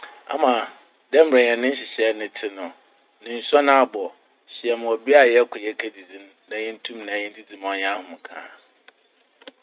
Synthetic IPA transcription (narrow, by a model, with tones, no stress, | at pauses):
a̰˦mã˨ | dɛ˦m̩˦bɾɛ̃˨ɲ˨ɛ̃˨nɪ̃˦n̩˦ɕ̬ɪ˨ɕɛ˦nʊ̃˦tʰɪ˦nʊ̃˨ | nɪ̃˨n̩˨sɔ˦nã˦a˦˨bɔ˨ | ɕɪ˨ɛ˨mʊ̃˨ɔ˨bi˦a˨jɛ˦kʰʊ˨jɛ˦kʰæ˦di˨d͡zĩ˦m | nã˨jɛ̃˦n̩˦tʰũ˦mnã˨jɛ̃˦n̩˦dʰi˦d͡zĩ˨m˨ɔ˨ɲã˦hʊ̃˨m̃˨kʰã̰ː˨˦